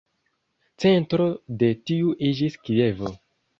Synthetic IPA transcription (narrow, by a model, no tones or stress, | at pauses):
t͡se̞ntɾode̞tiuʔid͡ʒiskie̞vo